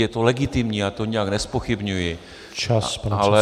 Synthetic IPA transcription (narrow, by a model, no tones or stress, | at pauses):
jɛt̪olɛɡɪt̪ɪmɲiːat̪oɲɛjaknɛspoxɪbɲujɪ | t͡ʃapɾalɛ